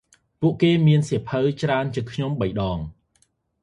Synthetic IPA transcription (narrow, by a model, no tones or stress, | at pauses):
puəʔkeːmiənsepʰəwt͡ɕraənt͡ɕɨəkʰɲomɓəjɗɑːŋ